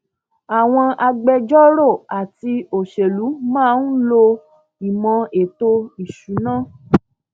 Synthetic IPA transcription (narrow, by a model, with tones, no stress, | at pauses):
a˨w̃ɔ̃˧ʔa˧ɡ͡bɛ˧d͡ʒɔ˦ɾo˦˨a˨ti˧o˨ʃe˨lu˨˦mãː˦˨˧n̩˦lo˧ | i˨mɔ̃˧e˨to˧i˨ʃu˨˦nãː˦˨